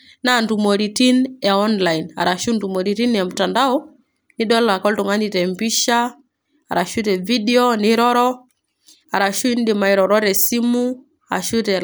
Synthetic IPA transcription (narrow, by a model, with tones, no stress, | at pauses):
na˨ndu˨mɔ˨ɾi˨ti˦nɛ˨ɔ˦nla˨i˨na̰˨ɾa˨ʃu˦ndu˨mɔ˨ɾi˨ɾi˦nɛ˨m̩˨ta˨nda˦ɔ˦ | ni˦ɗɔ˦la˨kɔ˦ltu˨ŋa˦ni˨ɾɛ˨mbi˦ʃa˦ | a˨ɾa˨ʃu˦ɾɛ˨vi˦dɛ˦ɔ˦nɪ˦ɾɔ˦ɾɔ˦ | a˨ɾa˨ʃu˦i˦n˦dɪ˨ma˨i˨ɾɔ˨ɾɔ˦ɾɛ˨si˦mu˦ | a̰˨ʃu˦tɛ˨